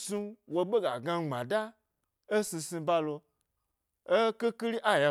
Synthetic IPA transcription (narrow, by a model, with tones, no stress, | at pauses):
sũ˧wo˧ɓe˦ɡa˨ɡã˧˦ŋ͡mã˨da˦ | e˦sĩ˧sĩ˧ba˧lo˧ | e˦ke˦ki˦ɾi˦ʔa˦˨ja˨